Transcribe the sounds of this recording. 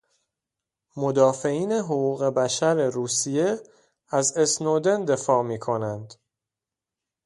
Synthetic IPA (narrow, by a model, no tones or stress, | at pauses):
mod̪ɒːfe̞iːne̞ɦoɣuːɣe̞bæʃæɾeɾuːsije̞ | æze̞snoːd̪e̞nd̪e̞fɒːmiːkʰo̞nænd̪